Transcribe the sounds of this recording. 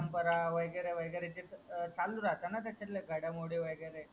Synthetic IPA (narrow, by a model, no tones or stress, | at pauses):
əmpəɾaʋəjɡəɾeʋəjɡəɾet͡ɕit̪t͡saluɾat̪anat̪̬at͡ɕəɾlaɡʱəɽamoɽeʋəjɡəɾe